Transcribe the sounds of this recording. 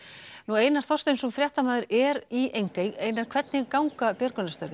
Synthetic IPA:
nueːjnaɾ̥θɔst̪ensɛmfɾjaht̪amaːðʏɾɛɾiejŋkajeːjnaɾ̥kʰvɛt̪nɪkawŋkapjœɾkʏnast̪œɾvɪ

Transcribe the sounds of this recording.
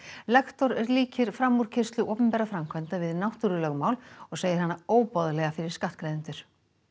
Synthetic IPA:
lɛkt̪ɔɾɛɾliːcɪɾ̥fɾamːuɾ̥cʰɪst̪lʏʔɔːpɛmpɛɾafɾamkʰvɛnt̪avɪðnawht̪uɾʏlœɣmawlɔɣseːjɪɾ̥hanːaoːwpɔðlɛɣafɪɾɪɾ̥skaht̪̚kɾejðɪnt̪ʏɾ̥

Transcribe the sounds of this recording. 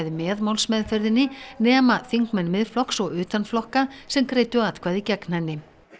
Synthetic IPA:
ðɪmɛːðmawlsmɛðfœɾðɪnːɪnɛːmaθiŋkmɛnmɪðflɔksɔɣʏːt̪anflɔhkasɛmkɾeːjt̪ʏat̪kʰvaːðicɛknanːɪ

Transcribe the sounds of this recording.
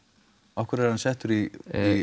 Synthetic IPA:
ɔhkvɛɾɛɾhansɛht̪ʏɾii

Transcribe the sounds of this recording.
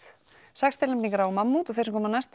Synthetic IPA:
sakst̪ɪlɛpniŋkaɾawmamːut̪ɔɣθɛɾsmkʰɔːmanast̪

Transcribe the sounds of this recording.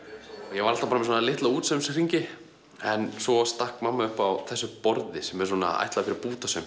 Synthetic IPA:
ɔɣjɛvaɾal̥t̪apaːɾmɛs̬ɔnalɪht̪lauːt̪sœmskriɲcɪ | ɛnsɔast̪ahkmamːaʏhpawθɛsːʏpɔɾðɪsɛmːɛɾs̬ɔːna̰a̰jht̪lafɪɾɪɾpuːt̪asœm

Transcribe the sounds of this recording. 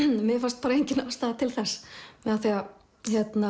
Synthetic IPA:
mɪfast̪̚paːɾaejɲcɪnaast̪aðt̪ʰɪlθɛsmɛðaθia | çjɛt̪na

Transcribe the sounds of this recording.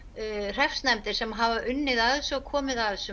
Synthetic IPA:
r̥ɛfsnɛmt̪ɪɾ̥sɛmɦavaʔʏnːɪðaðsɔɣkʰɔːmɪðaðsʏ

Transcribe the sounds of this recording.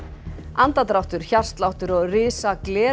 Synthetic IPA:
ant̪at̪ɾawt̪ʏɾ̥çar̥st̪lawht̪ʏɾɔɣrɪːsaklɛː

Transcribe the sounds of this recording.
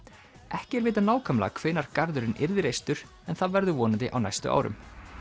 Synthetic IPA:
ɛhcɪɛɾvɪːt̪̬anaːwkʰamla̰kʰveːnaɾ̥kaɾðʏɾɪnʔɪɾðɪɾejst̪ʏɾ̥ | ɛnθaðvɛɾðʏvɔːnɪt̪ɪʔa̰wna̰jst̪ʏ̰ʔa̰ːwɾʏ̰m

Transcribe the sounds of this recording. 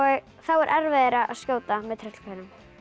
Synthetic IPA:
θawɛɾʔɛɾvɛðɪɾaʔa̰ðscjoːwt̪amɛðt̪ʰɾɛht̪kʰɛɾɪm

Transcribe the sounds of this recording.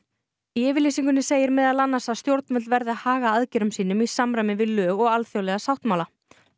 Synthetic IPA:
iɛːvɪɾliːsiŋkʏnɪseːjɪɾmɛðalanːasaðst̪jowɾt̪nmœt̪lvɛɾðahaːɣaaðcɛɾʏmsiːnʏmisamɾajmɪvɪðlœːɣɔɣalθjowlɛɣasawht̪nmawla

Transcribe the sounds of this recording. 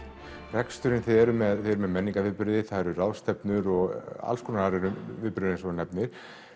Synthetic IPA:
rɛkst̪ʏɾɪnθeɛɾʏmɛðθeɛɾʏmɛðmɛnːiŋkavɪðpʏɾðɪθaɛɾʏraːwst̪ɛpnʏɾɔɣa̰lskʰunanaɾɛɾʏmvɪðpʏɾʏɾðɪnsvɔnɛpnɪɾ̥

